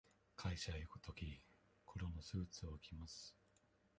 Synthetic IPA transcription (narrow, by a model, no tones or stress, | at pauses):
kʰaiɕajokɯ̟̥t̪ʰo̞kʲi | kʰoɾo̞no̞sɨːt͡sɨo̞ɯ̟kʲimasɨ̥